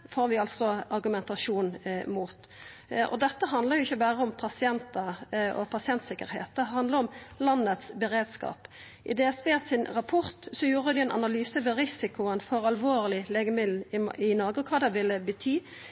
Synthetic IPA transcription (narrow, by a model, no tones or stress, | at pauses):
foːɾʋɪɑlt̪sɔɑʁɡʉmɛnt̪ɑʂuːnmuːt̪ | ʔɔ̰d̪ɛt̪ːəɦɑnd̪ləʁjʊɪçːəbæːɾəɔmpʰɑsɪɛnt̪ɑɔ̰pʰɑsɪɛnt̪sɪkːəɾhḛːt̪̚d̪ɛɦɑnd̪ləɾɔmlɑnːət̪sbəɾeːd̪skɑ̰ːp | ʔɪ̰d̪ɛːɛsbeːsɪnʁɑpʰɔɾt̪sɔjuːɾəd̪ɪɛnʔɑ̰nɑlyːsəʋɛɾɪsɪkʊənfɔɾɑlʋoːʁlɪleːɡəmɪd̪l̩ɪnoːʁɡəɔkʰɑːd̪ɛʋɪlːəbət̪ʰyː